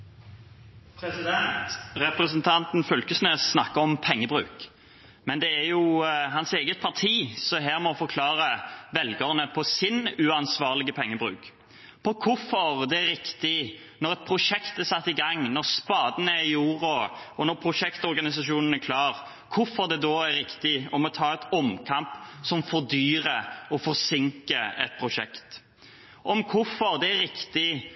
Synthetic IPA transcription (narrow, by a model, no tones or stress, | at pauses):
pʰɾɛsɪd̪ɛnt̪ʁɛpɾəsənt̪ʰɑnt̪n̩fœlkəsnøːssnɑkːəɔmpʰɛŋːəbɾʉ̰ːk | mɛnd̪ɛæɾjʊɦɑnseːɡət̪̚pʰɑʁt̪ʰiːsɔɦæːɾmɔfɔkʰlɑːɾəʋɛlɡəʁnəpʰɔsɪnʉɑnsʋɑːʁlɪɡəpʰɛŋːəbʁʉ̰ːk | pʰɔkʰʊfɔɾd̪ɛæɾɪkt̪ɪ | nɔɾʁɛt̪̚pʰɾʊʂɛkt̪æsɑt̪ːɪɡɑŋnɔɾspɑːd̪ənəɪjuːɾʊɔnɔɾpʰɾʊʂɛkt̪ɔɾɡɑnɪsɑʃuːnn̩æɾkʰlɑːʁ | kʰʊfɔɾd̪ɛd̪ɔæɾːɪkt̪ɪɔmɔt̪ʰɑːɛt̪ɔmkʰɑmpsɔmfɔʁd̪yːɾəɔfɔɾsɪŋkəɛ̰t̪̚pʰɾʊʂɛkt̪ | ʔɔmkʰʊfɔɾd̪ɛæɾɪkt̪ɪ